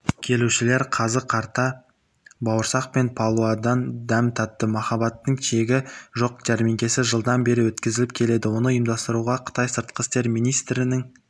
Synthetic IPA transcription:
kʲʰe̞luʃɪle̞ɾqʰɑzəqʰɑɾt̪ɑ | bɑwəɾsɑq̚pe̞npʰɑlˠuɑd̪ɑnd̪æmt̪ʰɑp̚t̪ːəmɑχɑbɑt̪ːəɴʃe̞ɡʲɪʒo̞qd͡ʒɑɾmiŋkʲe̞sɪʒəlˠd̪ɑnbe̞ɾɪwɵt̪kʲɪzɪlɪp̚kʲʰe̞le̞d̪ɪwo̞nəʊjəmd̪ɑst̪əɾuʁɑqʰə̥t̪ɑjsəɾt̪̚qəst̪e̞ɾmijnijst̪ɾɪnɪŋ

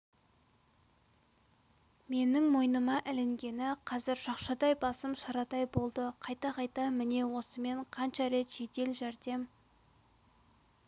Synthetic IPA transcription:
me̞nɪŋmo̞jnəmɑʔɪlɪŋɡʲe̞nɪqʰɑzɪɾʃɑqʃɑd̪ɑjbɑsəmʃɑɾɑt̪ɑjbo̞lˠd̪əqʰɑjt̪ɑqʰɑjt̪ɑmɪne̞wo̞səme̞ɴqʰɑnʃɑɾe̞t̪ʒ̥e̞t̪e̞lʒæɾd̪e̞m

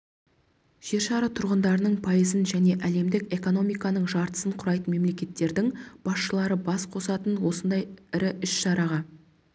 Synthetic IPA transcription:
ʒ̥e̞ɾʃɑɾət̪ʰʊɾʁənd̪ɑɾənəɴpʰɑjəzənʒæne̞ʔæle̞md̪ɪkʲe̞ko̞no̞mijkɑnəɴʒɑɾt̪ə̥səɴqʰʊɾɑjt̪ənme̞mle̞kʲe̞t̪ːe̞ɾd̪ɪŋb̥ɑsʃəlˠɑɾəbɑsqʰo̞sɑt̪ənwo̞sənd̪ɑjɪɾɪʔʏʃʃɑɾɑʁɑ

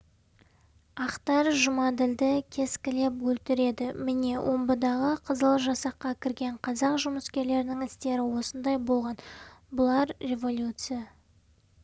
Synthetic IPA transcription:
ɑqt̪ɑɾʒʊmɑd̪ɪld̪ɪkʲʰe̞skʲɪle̞pwɵlt̪ɪɾe̞d̪ɪmɪne̞wʔo̞mbəd̪ɑʁəqʰəzəlˠʒɑsɑqːɑkʲʰɪɾɡʲe̞ɴqʰɑzɑqʒʊməskʲe̞ɾle̞ɾɪnɪŋɪst̪e̞ɾɪwo̞sənd̪ɑjbo̞lˠʁɑnbʊlˠɑɾre̞vo̞lʲjut̪sɨja

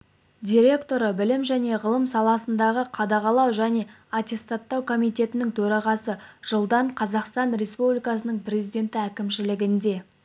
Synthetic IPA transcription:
d̪ʲiɾʲe̞kt̪o̞ɾəbɪlɪmʒæne̞ʁəlˠəmsɑlˠɑsənd̪ɑʁəqʰɑd̪ɑʁɑlˠɑwʒæne̞ | at̪ʲe̞st̪ɑt̪ːɑwkʰo̞mijt̪e̞t̪ɪnɪŋt̪ʰɵɾɑʁɑsəʒ̥əlˠd̪ɑɴqʰɑzɑqst̪ɑnɾe̞spublʲijkɑsənəɴprʲezʲijd̪ʲe̞nt̪ɪækʲɪmʃɪlɪɡʲɪnd̪e̞

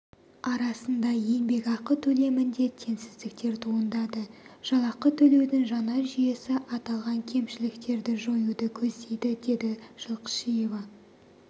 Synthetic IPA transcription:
ɑɾɑsənd̪ɑje̞nbe̞ɡɑqət̪ʰɵle̞mɪnd̪e̞t̪ʰe̞nsɪzd̪ɪk̚t̪e̞ɾt̪ʰuənd̪ɑd̪əʒ̥ɑlˠɑqət̪ʰɵle̞wd̪ɪŋʒɑnɑʒije̞sɪʔɑt̪ɑlˠʁɑŋkʲʰe̞mʃɪlɪkt̪e̞ɾd̪ɪʒo̞jud̪əkʲʰɵzd̪e̞jd̪ɪd̪e̞d̪ɪʒ̥əlˠqə̥ʃije̞vɑ

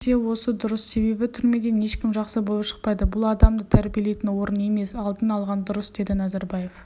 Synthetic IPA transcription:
sewo̞səd̪ʊɾəsːe̞be̞bɪt̪ʰʏɾme̞d̪e̞ne̞ʃkʲɪmʒɑqsəbo̞lˠəpʃə̥q̚pɑjd̪əbʊlˠɑd̪ɑmd̪ət̪ʰæɾbijelejt̪ɪnwo̞ɾənje̞me̞sɑlˠd̪ənɑlˠʁɑnd̪ʊɾəsd̪e̞d̪ɪnæzɑɾbɑje̞f

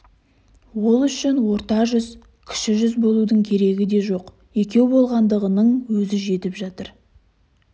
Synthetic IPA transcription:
wo̞lˠʏʃɪnwo̞ɾt̪ɑʒʏz | kʲʰɪ̥ʃɪʒʏzbo̞lˠud̪əɴkʲʰe̞ɾe̞ɡʲɪd̪e̞ʒo̞q | je̞kʲe̞wbo̞lˠʁɑnd̪əʁənəɴwɵzɪʒe̞t̪ɪpʒɑt̪əɾ

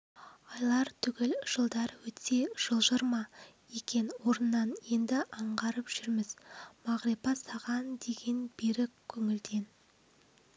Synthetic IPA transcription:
ɑjlˠɑɾt̪ʰʏɡʲɪlʒ̥əlˠd̪ɑɾwɵt̪ʰe̞ʒ̥əlˠʒəɾmɑjekʲe̞nwo̞ɾənːɑnje̞nd̪ɪʔɑɴʁɑɾəpʒ̥ʏɾmɪzmɑʁɾepɑsɑʁɑnd̪e̞ɡʲe̞nbeɾɪkʲʰːɵŋɪld̪e̞n

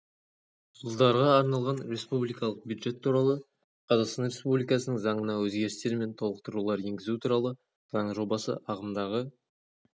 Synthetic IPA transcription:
ʒʊlˠd̪ɑɾʁɑːɾnɑlˠʁɑnɾe̞spublijkɑlˠəq̚bʲjud̪ʒe̞t̪ʰːuɾɑlˠə | qʰɑzɑqst̪ɑnɾʲe̞spublijkɑsənəŋzɑɴənɑwɵzɡʲe̞ɾɪst̪e̞ɾme̞nt̪ʰo̞lˠəqt̪əɾulˠɑɾje̞ŋɡʲɪzut̪ʰuɾɑlˠə | z̥ɑɴəʒo̞bɑsə̰ʔɑʁəmd̪ɑʁə

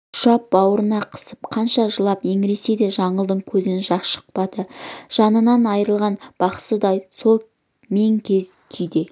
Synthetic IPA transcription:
ʊʃɑp̚bɑwəɾənɑqʰə̥səp̚qʰɑnʃɑʒəlˠɑpje̞ŋɾe̞se̞jd̪e̞ʒɑɴəlˠd̪əɴkʲʰɵzɪnʒɑʃə̥q̚pɑd̪əʒ̥ɑnənɑnɑjɾəlˠʁɑnb̥ɑqsəd̪ɑjso̞lˠ | me̞ŋkʲʰe̞z | kʲʰʏjd̪e

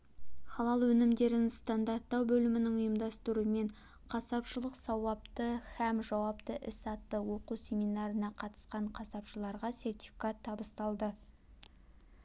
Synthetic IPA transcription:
χɑlˠɑlˠwɵnɪmd̪e̞ɾɪnst̪ɑnd̪ɑrt̪ːɑwbɵlɪmɪnɪŋʊjəmd̪ɑst̪əɾume̞ɴ | qʰɑsɑpʃəlˠəqsɑwɑp̚t̪əhæmʒɑwɑpt̪əʔɪsɑt̪ːəwo̞qusʲe̞mijnɑɾənɑqʰɑt̪ə̥sqɑɴqʰɑsɑpʃəlˠɑɾʁɑsʲe̞rt̪i̥fikat̪ʰːɑbəst̪ɑlˠd̪ə

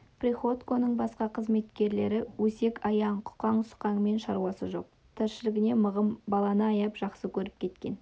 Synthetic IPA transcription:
prʲiχot̪ko̞nəɴbɑsqɑqʰəzme̞t̪kʲe̞ɾle̞ɾɪwɵse̞kɑjɑɴqʰʊ̥qɑɴsʊ̥qɑɴme̞nʃɑɾuɑsəʒo̞̰q̚ | t̪ʰɪɾʃɪlɪɡʲɪne̞məʁəmbɑlˠɑnəɑjɑpʒ̥ɑqsəkʲʰɵɾɪpkʲʰe̞t̪kʲe̞̰n

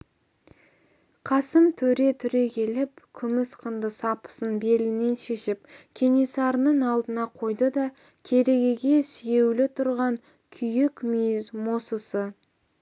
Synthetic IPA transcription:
qʰɑsəmt̪ʰɵɾe̞t̪ʰʏɾe̞kʲʰe̞lɪp̚kʲʰʏmɪsqʰənd̪əsɑpə̥sənbe̞lɪne̞nʃeʃɪpkʲʰe̞ne̞sɑɾənəɴɑlˠd̪ənɑqʰo̞jd̪əd̪ɑ | kʲʰe̞ɾe̞ɡʲe̞ɡʲe̞sʏje̞wlɪt̪ʰʊɾʁɑŋ | kʲʰʏjɪkʲmijɪzmo̞səsə

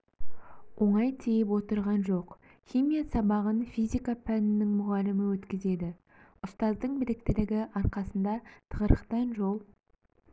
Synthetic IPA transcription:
wʔo̞ɴɑjt̪ʰejɪp̬wo̞t̪əɾʁɑnʒo̞q | χʲimijasɑbɑʁənfijzʲijkapʰænɪnːɪŋmʊʁɑlɪmɪwɵt̪kʲɪze̞d̪ɪ | ʊst̪ɑzd̪əɴbɪɾɪk̚t̪ɪlɪɡʲɪʔɑɾqɑsənd̪ɑt̪ʰəʁəɾəqt̪ɑnʒo̞lˠ

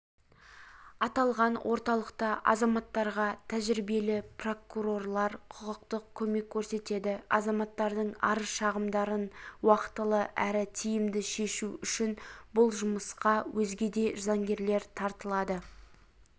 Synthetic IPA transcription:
ɑt̪ɑlˠʁɑnwʔo̞ɾt̪ɑlˠəqt̪ɑʔɑ̰zɑmɑt̪ːɑɾʁɑt̪ʰæʒɾibe̞lɪpro̞kuɾo̞rlˠɑɾqʰʊʁəqt̪əq̚kʲʰɵme̞kʲʰːɵɾse̞t̪e̞d̪ɪɑ̰zɑmɑt̪ːɑɾd̪əɴɑ̰ɾəʃɑʁəmd̪ɑɾənwɑqə̥t̪əlˠəʔæɾɪt̪ʰijɪmd̪ɪʃe̞ʃuʏʃɪnbʊlˠʒʊməsqɑwʔɵzɡʲe̞d̪e̞ʒzɑŋɡʲe̞ɾle̞ɾt̪ʰɑɾt̪əlˠɑd̪ə

